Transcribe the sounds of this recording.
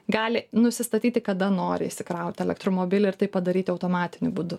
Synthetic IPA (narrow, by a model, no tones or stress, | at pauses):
ɡɑːlʲɪnʊsʲɪst̪ɐt̪ʲiːt̪ʲɪkɐd̪ɐnoːɾʲɪɪʃʲsʲɪkɾɐʊt̪ʲɛlʲɛkt̪ɾoːmoːbʲɪlʲɪɪɾt̪ɐɪpɐd̪ɐɾʲiːt̪ʲɪɐʊt̪oːmɑːt̪ʲɪnʲʊbud̪ʊ